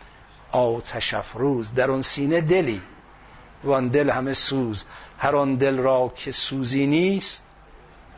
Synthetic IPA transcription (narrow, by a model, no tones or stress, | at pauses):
ʔɒːwt̪ʰæʃæfɾuːzd̪æɾɔnsiːned̪eliː | vɒnd̪elhæmesuːzhæɾɔnd̪elɾɒːkʰesuːziːniːs